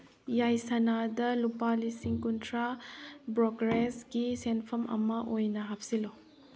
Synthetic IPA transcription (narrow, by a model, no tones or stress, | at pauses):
jajsɐnadɐlupalisiŋkuntʰɾabɾoɡɾesɡisenpʰɐmʔɐ̰mɐʔojnɐɦap̚silo